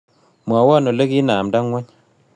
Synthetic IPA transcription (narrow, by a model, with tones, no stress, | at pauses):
mwa˨˦wɔ˦˨no˨le˦ki˦naː˨mda˦ŋwɔ˦ɲ